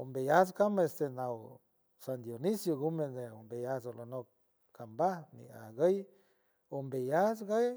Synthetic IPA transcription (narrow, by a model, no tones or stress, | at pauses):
ombejaskamaest̪enaw | sand̪jonisjoɡumedeombejasolonok̚ | kambahmḭa̰ɡəj | ombejasɡəj